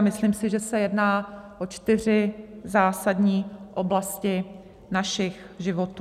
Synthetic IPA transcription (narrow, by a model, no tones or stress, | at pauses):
mɪslimsɪʒɛsɛjɛdnaːʔot͡ʃt̪ɪr̝ɪzaːsadɲiːʔo̞blascɪ | naʃɪx | ʒɪvot̪uː